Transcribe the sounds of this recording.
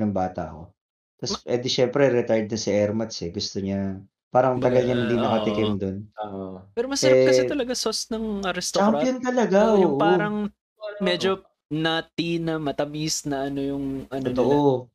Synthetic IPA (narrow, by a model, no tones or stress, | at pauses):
nɐŋbaːt̪ɐ̰ko̞̰ | t̪ɐsʔɛd̪ɪʃɛmpɾɛɾɛt̪ajd̪̚nɐsiɛɾmɐt̪sɛɡʊst̪oɲɐ | paːɾɐŋt̪ɐɡɐlɲɐhɪnd̪inɐkɐɪkɛmd̪on | pɛːɾomɐsɐɾɛkɐsɛt̪ɐlɐɡasosnɐŋɐɾɛst̪t͡ʃamɾpjont̪ɐlɐɡaʔojʊŋʔpoaːɾɐŋ | mɛd͡ʒo | nɐt̪inɐmɐt̪ɐmisnɐʔɐno̞jʊŋʔɐnt̪ont̪oʔo